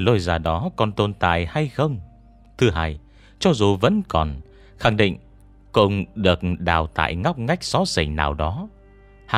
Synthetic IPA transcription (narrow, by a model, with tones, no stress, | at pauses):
lo˧jzaː˨˩ɗɔ˨˦kɔ˨˩nt̪o˧˩nt̪a̰ː˧˨jha˧jxə˧wŋ͡m | t̪ʰɨ˨˦ɦaː˧˩j | t͡ɕɔ˧zu˨˩və̰˧˥nkɔ˨˩n | xa˨˩ŋɗḭ˧˨ŋ̟ | kʊ˧˩ŋ͡mɗɨ˨˩ək̚ɗa̰ː˨˩wt̪a̰ː˧˨jŋa˦˥wk͡p̚ŋa˦˥jk̟̚sɔ˨˦sḭ˧˩ŋna̰ː˨˩wɗɔ˨˦ | h